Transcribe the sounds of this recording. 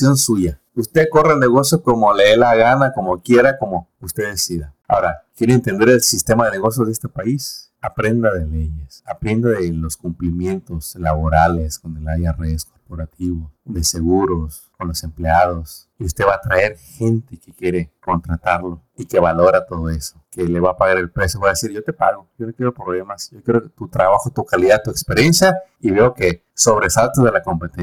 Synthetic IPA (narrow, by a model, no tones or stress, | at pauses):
jonsuʝa | ust̪e̞ko̞relneɣo̞sjoko̞moleðelaɣanako̞mo̞kje̞ɾako̞mo̞ | ust̪e̞ðe̞siðaa̰o̞ɾakje̞ɾeːnt̪e̞nd̪e̞ɾelsist̪e̞maðe̞ne̞ɣo̞s̬joðest̪epais | apɾend̪aðe̞le̞ɲesapɾe̞nd̪aðelo̞skumplimje̞nt̪o̞slaβo̞ɾalesko̞nelajaresko̞ɾpo̞ɾat̪ʰiβoðese̞ɣuɾo̞s | ko̞nlo̞se̞mpleaðo̞s | iust̪e̞βaːt̪ɾae̞ɾxe̞nt̪e̞kekje̞ɾe̞ko̞nt̪ɾat̪aɾlo̞ | ike̞βalo̞ɾat̪o̞ð̞o̞e̞so̞ke̞le̞βapaɣaɾelpɾesjoβojaðesiɾʝo̞t̪e̞paɣo̞jo̞nokje̞ɾo̞pɾoβle̞masjokje̞ɾot̪ut̪ɾaβaxot̪ukaliðat̪uekspeɾje̞nsjaiβe̞o̞ke̞ | so̞βɾe̞salt̪ozðe̞lako̞mpe̞t̪e